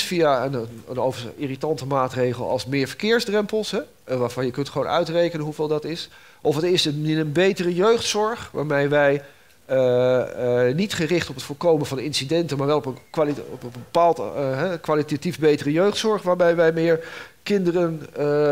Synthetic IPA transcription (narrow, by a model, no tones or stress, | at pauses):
fijaənənənowvəiritɑntəmaːtrejχəlˠɑ̰lˠsmɪːɹvəɹkɪːɹzdrɛmpəlˠsɦɛ | ʋaːvɑnjəkɵntχəʋownœ̰ɥtrejkənənɦuveːlˠdɑtɪs | ʔɔfətɪsəɪnənbejtərəjøɥχtsɔɹχʋa̰ːɹmɛjʋɛj | nitχərɪχtɔpətfʊːɹkowmənvɑnɪnsidɛntənmaːɹʋɛlˠɔpənkalɔpbəpaːlˠtɦɛkʋalitativbejtərəjøɥχtsɔɹχʋaːɹbɛjʋɛjmɪːɹkɪndərən